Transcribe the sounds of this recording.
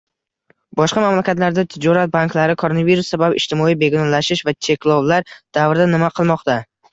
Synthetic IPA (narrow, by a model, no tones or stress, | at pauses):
bɒʃqɑmamlakʲat̪laɾd̪at̪ʰɪd͡ʒɒɾat̪̚banklaɾɪkʰoɾonaviɾusːababɪʃt̪ʰɪmɒijbe̞ɡnɒnlaʃɪʃvat͡ʃʰe̞kʲlˠɒwlaɾd̪̥avɾɪd̪anɪmaqʰɨlˠmɒqt̪a